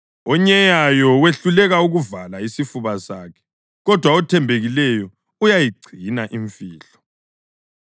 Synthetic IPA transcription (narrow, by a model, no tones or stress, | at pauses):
ɔɲɛjajɔweɬulɛɣauɣuvalaisifuβasaːkʰɛ̥ | ɣɔd̥ʱwaɔtʰɛmbʱeɣilɛjɔ | ujajiɡ͡ǀʱinaʔiɱfiːɬɔ̥